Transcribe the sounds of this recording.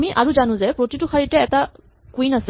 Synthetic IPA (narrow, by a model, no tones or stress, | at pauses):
miʔaɹuzanʊ̃zɛpɹotitʊxʰaɹitɛːta | kuinas